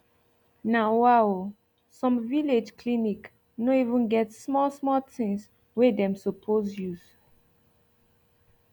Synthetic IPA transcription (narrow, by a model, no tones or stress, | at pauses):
nawaw | sɔ̃mviled͡ʒkʰlinik | noivə̃nɡɛtsmɔlsmɔtɪ̃ŋs | wedɛ̃msɔpʰozjuz̥